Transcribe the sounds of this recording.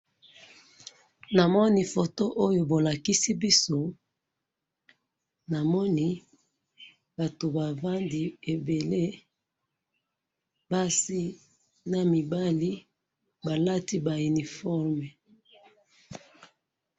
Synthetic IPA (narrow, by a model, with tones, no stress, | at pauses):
na˨mɔ˦ni˦fo˨to˦ʔo˦jo˨bo˨la˨ki˦si˦bi˦so˦ | na˨mɔ˦ni˦ | ba˨to˨ba˨va˦ndi˨e˨be˨le˦ | ba˦si˦ | na˨mi˨ba˦li˦ | ba˨la˦ti˦ba˨u˨ni˨fɔ˦ʁmɛ˨